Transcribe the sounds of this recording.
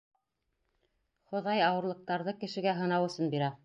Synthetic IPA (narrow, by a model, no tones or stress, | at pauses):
χŏðɑjɑwɤ̆ɾlˠɤ̆q̚t̪ɑɾðɤkɘ̆ʃɘ̆ɡæɦɤ̆nɑwɘ̆sɤnbiɾæ